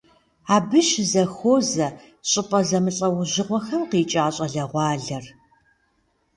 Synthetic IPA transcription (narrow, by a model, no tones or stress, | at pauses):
aːbɨʃzɐxoːzɐ | ɕʼɪpʼɐzɐmɨɬʼɐwʊʑɪʁʷɔxɐmqiːt͡ʃʼaːɕʼɐɮɐʁʷɑːɮɐr